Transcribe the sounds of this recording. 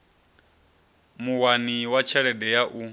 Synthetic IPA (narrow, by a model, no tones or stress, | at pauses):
muwaniwat͡ʃʰɛɺɛdɛjaʔu